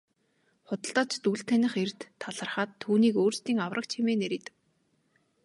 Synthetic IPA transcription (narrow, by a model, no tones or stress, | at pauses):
χʊt̪ə̆ɬt̪aːt͡ɕʰt̪uɮɬt̪ʰænʲɪ̆χert̪ʰːaɮə̆rχaːt̪ʰːuːniːkoːrst̪iːŋawrʔə̆k̚t͡ɕʰemeːneɾit̪ɘ̥̆k̚